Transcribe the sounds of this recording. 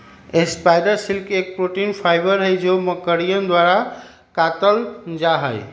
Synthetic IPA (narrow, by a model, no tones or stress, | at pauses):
espaɪɖəɾsilkek̚pɾoʈinpʰaɪbəɾɦəjd͡ʒoməkəɾijənd̪waɾa | kat̪əld͡ʒaɦəj